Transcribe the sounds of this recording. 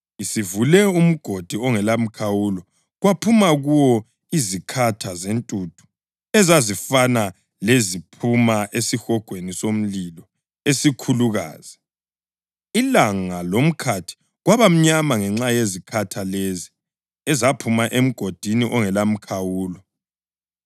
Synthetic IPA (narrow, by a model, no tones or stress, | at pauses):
isivulɛum̩ɡ̥ʱod̥ʱiɔŋɛlam̩kʰawulɔ | ɣwapʰumaɣuwɔ | izikʰatʰazentʼud̥ʱu̥ | ɛzazifana | lezipʰumaʔesixɔɡ̥ʱwenisom̩lilɔ | esikʰuluɣa̰ːz̥i | ilaŋalom̩kʰatʰi̥ | ɣwaβam̩ɲamaŋɛŋ͡ǁajezikʰatʰalezi | ɛzapʰumaʔem̩ɡ̥ʱod̥ʱiniʔɔŋɛlam̩kʰawuːlɔ